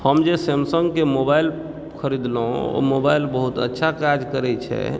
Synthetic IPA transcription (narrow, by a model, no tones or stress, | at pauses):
həmd͡ʒesemsəŋɡkemobail | kʰəɾid̪lo̰mobailbəɦut̪ə̰tːʃʰakad͡ʒkəɾɛt͡ʃʰɛ̰